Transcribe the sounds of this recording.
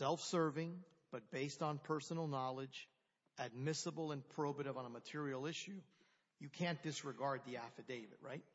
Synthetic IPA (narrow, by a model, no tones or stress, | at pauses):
sɛlˠfsɜ˞vɪ̃ŋ | b̥ʌt̚b̥eɪstn̩pʰɜ˞sn̩l̩ˠnɑlˠɪd͡ʒ | ʔɨd̚mɪsəbl̩ˠə̃npʰɹ̥oʊbɨɾɨvə̃nəmɨtʰɪɹil̩ˠɪʃʉ | jɨkʰæ̃nd̥ɨsɹɨɡɑɹd̪̚ðiæfɨdeɪvɨ̰d̚ɹaɪt̚